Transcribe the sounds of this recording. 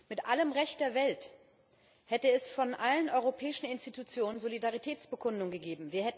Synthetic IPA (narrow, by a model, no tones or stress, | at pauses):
mɪtʔaləmʁɛçtd̥eːɐvɛlt | hɛtəɛsfɔnʔalənʔɔʏʁopʰɛːɪʃn̩ɪnstitut͡sjoːnənzolidaʁitʰɛːt͡sb̥əkʰʊndʊŋɡəɡeːbm̩viːɐhɛt